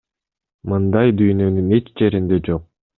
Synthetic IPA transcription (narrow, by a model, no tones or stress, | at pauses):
mɯnd̪ɑjd̪yjnø̞nyne̞t͡ʃd͡ʒe̞ɾind̪e̞d͡ʒo̞q̚